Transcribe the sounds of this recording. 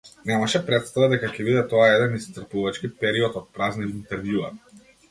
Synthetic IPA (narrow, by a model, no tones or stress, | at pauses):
nɛmaʃɛpɾɛt̪st̪avad̪ɛkakʲɛbid̪ɛt̪ɔaɛd̪ɛnist̪r̩puvat͡ʃkipɛɾiɔt̪ɔt̪̚pɾazniint̪ɛɾvjua̰